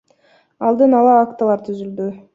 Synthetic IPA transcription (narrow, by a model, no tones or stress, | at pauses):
ɑlˠd̪ɯnɑlˠɑːkt̪alˠɑɾt̪ʰyzyld̪y